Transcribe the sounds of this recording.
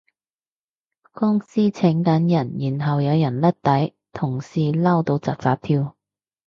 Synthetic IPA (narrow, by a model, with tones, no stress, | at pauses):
kɔː˥ŋsiː˥t͡sʰɪ˨˥ŋkɐ˨˥njɐ˨˩njiː˨˩nɦɐ˨wjɐ˨˧wjɐ˨˩nlɐ˥t̚t̪ɐ˨˥j | t̪ʰʊ˨˩ŋsiː˨laː˥wt̪o˧wt͡sɐ̰˨k̚t͡saː˧t̚t̪ʰiː˥w